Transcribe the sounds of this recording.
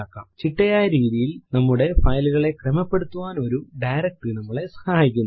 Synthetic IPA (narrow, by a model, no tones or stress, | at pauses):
aːkːa̰ːmt͡ɕiʈːɐjaːjɐɾiːðijilnɐmːuɽe̞fɐjluɣɐɭe̞kremɐpːe̞ɽut̪ːuʋaːno̞ɾuɖɐjɾɐk̚ʈɨnɐmːɐɭesɐ̥haːjikʲːunː